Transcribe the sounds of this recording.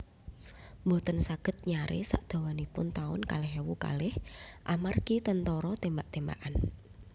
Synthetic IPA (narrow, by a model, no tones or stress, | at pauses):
mbot̪ənsaɡ̥ə̤t̪̚ɲaɾḛsaʔd̪̥a̤wanipʊnt̪aʊ̰nkalɪɦewuka̰lɪhʔamarkit̪ənt̪ɔɾɔt̪embaʔt̪emba̰ʔan